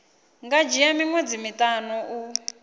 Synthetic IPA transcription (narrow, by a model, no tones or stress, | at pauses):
ŋɡad͡ʒijamiŋwed͡zimitʼanɔʔu